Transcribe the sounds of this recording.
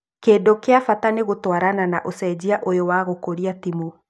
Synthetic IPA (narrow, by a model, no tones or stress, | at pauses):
keːndokeafataneɣotwaɾananaʔosɛd͡ʑiaʔojowaɣokoɾiatimu